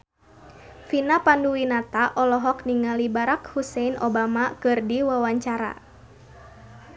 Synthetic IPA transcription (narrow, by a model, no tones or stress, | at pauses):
finapanduwinat̪aʔɔlɔɦɔkniŋalibaɾakhusɛinɔ̰bamakɨrdiwawaɲt͡ʃaɾa̰